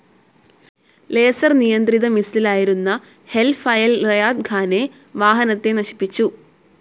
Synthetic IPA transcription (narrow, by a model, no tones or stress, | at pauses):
le̞ːsɐrnijɐnd̪riðɐmisililaːjiɾunːɐ | he̞lfɐjɐlrɐjaːd̪̚ɡʰʱaːne̞ | ʋaːɦɐnɐt̪ːe̞nɐɕi̥pːit͡ɕːu